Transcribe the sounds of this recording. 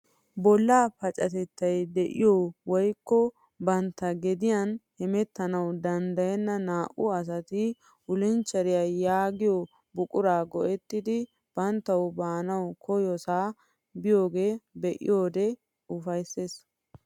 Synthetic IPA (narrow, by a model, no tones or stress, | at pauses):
bɔlːaːpɐt͡ʃʼɐt̪ɛt̪ːɐjd̪ɛʔɪ̰jowɔjkːɔ | bɐnt̪ːɐɡɛd̪ɪjɐnhɛmɛt̪ːɐnɐwd̪ɐnd̪ɐjɛnːɐnaːʔʊɐs̬ɐt̪ɪ | ʊlɪnt͡ʃːɐɾɪjajaːɡɪjo | bʊkʼʊɾaːɡɔʔɛt̪ːɪd̪ɪ | b̥ɐnt̪ːɐwbaːnɐwkʰɔjɔsaː | bɪjo̞ːɡe̞ːbɛʔɪ̰joːd̪ɛ | ʊfɐjse̞ːs